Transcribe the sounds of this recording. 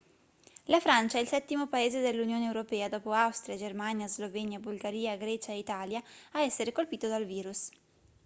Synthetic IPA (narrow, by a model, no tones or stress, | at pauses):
lafɾant͡ʃaɛilsɛt̪ːimopaeːzed̪elːunjoːneːwɾopɛːad̪ɔːpoawst̪ɾjad͡ʒermanjazlovɛɲjabulɡaɾiːaɡɾɛːt͡ʃaeit̪aːljaaɛsːeɾekolpiːt̪od̪alviːɾus